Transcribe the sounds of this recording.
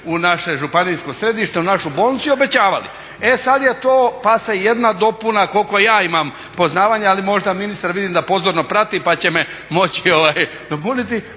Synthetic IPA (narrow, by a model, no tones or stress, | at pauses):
unaʃe̞ʒupaniːsko̞sɾe̞d̪iʃt̪eunaʃubo̞ːlˠnit̪suiobe̞t͡ɕaːʋalḭ | e̞sad̪je̞t̪oːpaseje̞d̪nad̪o̞punako̞lko̞jaːimam | po̞znaːʋaːɲealimo̞ʒd̪aminist̪aɾʋid̪iːmd̪apo̞zoɾno̞pɾat̪ipat͡ɕe̞me | mo̞t͡ɕioʋaːj | d̪o̞punit̪̬i